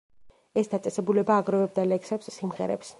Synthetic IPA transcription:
ɛsd̪at̪sʼɛsɛbulɛbaːɡɾɔvɛb̚d̪alɛksɛpsːimʁɛ̰ɾɛ̰ps

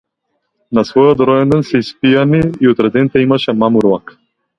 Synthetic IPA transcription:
nasvɔjɔt̪ɾɔjɛnd̪ɛnsɛispianiːɔt̪ɾɛd̪ɛnit̪aimaʃɛmamuɾlˠak

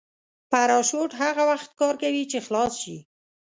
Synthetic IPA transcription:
paɾɑʃoʈɦaɣawaxt̪kɑɾkawit͡ʃexlɑsʃḭ

